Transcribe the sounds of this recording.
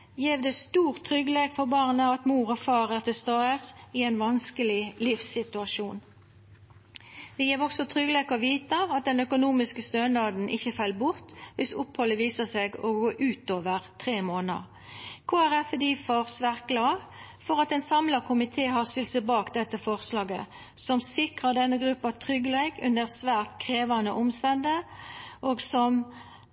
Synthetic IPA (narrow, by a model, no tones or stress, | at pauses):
jeːʋd̪ɛst̪uːʁt̪ʰːʁʏɡəleːɡfɔʁbɑːʁnəɑt̪muːʁɔfɑːʁæːʁt̪ɪlst̪ɑːəsɪæɪnʋɑnskəlɪlɪfsɪt̪ʉɑʃuːn | d̪ɛjeːʁɔksɔt̪ʰʁʏɡəleːkɔʋiːt̪əɑt̪̚d̪ɛnœkʊnuːmɪskəst̪ønd̪ɑd̪n̩ʔɪçəfɑlbʊʁt̪ʋɪsʊphɔlːəʋiːsəseːɡɔɡoːʔʉːt̪oːʋəʁt̪ʰʁeːmoːnə̰ʁ | kʰoːæʁɛfd̪iːfoʁsʋæːʁt̪̚ɡ̥lɑːʁ | fɔʁɑt̪ɛnsɑmlɑkʰʊmɪt̪ʰeːɦɑʁsɪlsəbɑːkd̪ɛt̪ːəfɔʁslɑːɡə | sɔmsɪkʁɑd̪ɛnːəɡʁʉpːɑt̪ʰʁʏɡəleːɡʉ̰nd̪əʁsʋæːʁt̪kʰʁeːʋɑnə̰ʔʊmst̪ɛnd̪əʔoɡsɔm